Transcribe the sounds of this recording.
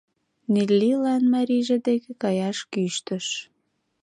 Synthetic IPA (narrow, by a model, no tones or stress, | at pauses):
nilːilɑnmɑɾiʒĕd̪ekĕkɑjɑʃkyʃt̪ə̆ʃ